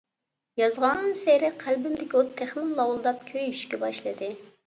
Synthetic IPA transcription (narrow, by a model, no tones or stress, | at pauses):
jɑzʁɑnɨŋseɾɪqʰælbɪmd̪ɪkʲiot̪ʰːɛχnɪllːˠɑwlˠd̪ɑp̚kʲʰøjyʃkʲɛbɑʃlˠɨd̪ɨ